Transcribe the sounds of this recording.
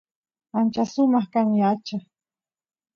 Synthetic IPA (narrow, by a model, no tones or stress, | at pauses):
ant͡ʃasʊmɑχkamiat͡ʃa